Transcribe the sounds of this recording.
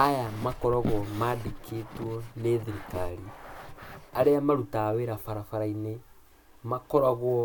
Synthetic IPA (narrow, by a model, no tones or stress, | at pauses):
ajamakɔɾaɣwɔmaːdekʰetwɔneðiɾikaɾi | aɾeamaɾutaːweɾafaɾafaɾaine | makɔɾaɣwɔ